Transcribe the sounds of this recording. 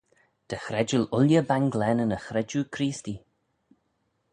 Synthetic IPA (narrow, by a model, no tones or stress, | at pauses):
d̪̥əxɾɛd͡ʒəlʊljəbaŋɡlɛnənəxɾɛd͡ʒukʰɾiːsti